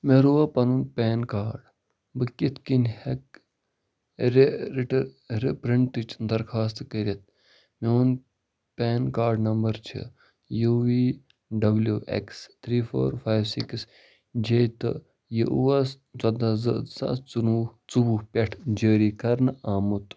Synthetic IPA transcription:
meɾuʋɐpɐnunpʲeːnkaːɖ | bɨkit̪ʰkinʲhek̚ | ɾeɾiʈɾ | ɾipɾiɳʈt̪ɨt͡ʃʰnd̪ɐɾkʰaːst̪kəɾʲɐt̪̚ | meun | pʲeːnkaːɾɖnɐmbɐɾt͡ʃʰḭ | juʋiː | ɖɐbljuʔḛkst̪ʰɾiːfʰo̰ːɾfʰaːjʋsiks | d͡ʒejt̪ɨ̰ | jiʔuʋɐs | t͡sɐd̪azɐzɐ̰t͡sunut͡subuhpʲeʈʰd͡ʒəːɾiːkɐɾnaːmut̪

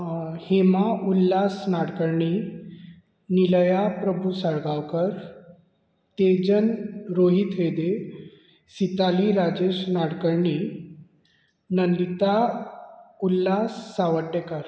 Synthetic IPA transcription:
hemaʔulːasnaɽkəɾɳi | niləjapɾəbʱusəɭɡawkəɾ | t̪ed͡ʑənɾoɦit̪ʋed̪e | sit̪aliɾad͡ʑeɕnaɽkəɾɳi | nənd̪it̪a | ulːasːaʋəʈːekəɾ

